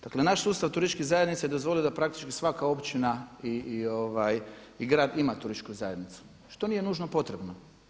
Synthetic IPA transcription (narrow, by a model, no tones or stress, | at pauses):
d̪̥akle̞naʃsuːst̪aʋt̪uɾit͡ʃkizajed̪nit̪sajed̪o̞zʋo̞lid̪apɾakt̪i̥t͡ʃkisʋakao̞pt͡ʃinaio̞ʋaj | iɡɾaːd̪imat̪uɾiʃt͡ʃkuzaje̞d̪nit̪su̥ | ʃt̪o̞niːje̞nuːʒnopo̞t̪ɾebno